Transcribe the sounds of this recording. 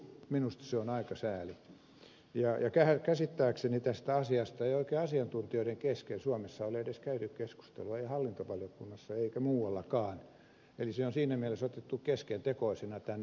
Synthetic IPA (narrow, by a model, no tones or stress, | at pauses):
minust̪ɑ̥seonɑikɑsæːli | jɑjɑkæækæsit̪ːæːksenit̪æst̪æɑsiɑst̪ɑeioikeːɑsiɑnt̪unt̪ioiɾeŋkeskelsuɑmesːɑoliedeskæynykkesku̥st̪ḛluɑeiɑhɑlːint̪oʋɑljokunːɑsːɑeikæmuːwɑlːɑkɑːn | eliseonsiːnæmielesot̪et̪ːukkeskent̪ekoisenɑt̪ænː